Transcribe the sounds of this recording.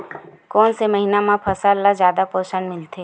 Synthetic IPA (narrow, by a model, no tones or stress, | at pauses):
kɔːnsemɐɦinamãpʰɐsalːazjaːd̪apoːsənmɪlt̪eː